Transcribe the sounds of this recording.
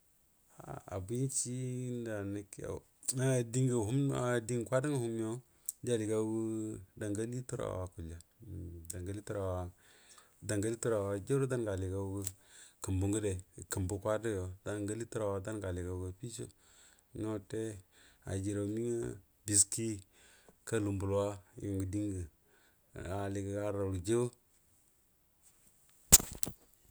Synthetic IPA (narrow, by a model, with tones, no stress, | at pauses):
a̰˨a̰˨bu˦i˦nt͡ʃi˦nda˨ni˦ka̰˨ | a˦˨di˦ŋɡa˨ɦu˦m˦a˨di˦ŋ˨kʷa˦da˦ŋa˦hu˦m˦o˦ | d͡ʒa˦li˨ɡa˦wu˦da˨ŋɡa˦li˦tu˦ɾa̰˨wa˨ku˨la˨da˨ɡa˦li˦tu˦ɾa˨wa˦ | da˨ŋɡa˦li˦tu˦ɾa˨wa˨d͡ʒa˦ɾo˦da˦nɡa˨li˨ɡa˦wu˦kə˨mbu˨ŋɡu˦de˨ki˨mbu˨˦kʷa˦da˦jo˨da˦ŋɡa˦li˦tu˦ɾa˨wa˨da˦nɡa˨li˨ka˨˦ɡə˦pi˦t͡ʃo̰˦ | ŋo˦te˦a̰˨d͡ʒi˨ɾa˨mi˦ŋa̰˦ | bi˨ski˦ka˦lu˨mbu˨lwa˦ju˨ŋɡu˨di˦ŋɡə˨ | a˨li˨ka˨ɡa˦ɾa˨ɾu˨d͡ʒe˦